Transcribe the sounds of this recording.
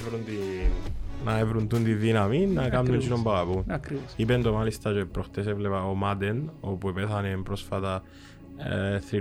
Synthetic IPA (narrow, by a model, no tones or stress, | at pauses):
vɾunt̪i | nɐevɾunt̪unt̪iðinɐminːɐkɐmnunt͡ʃinombɐɣɐpukɾiipend̪omalist̪ɐt͡ʃepːɾoxt̪es̬evlepɐomat̪enopuepeθɐnempɾosfɐt̪ɐ | θɾi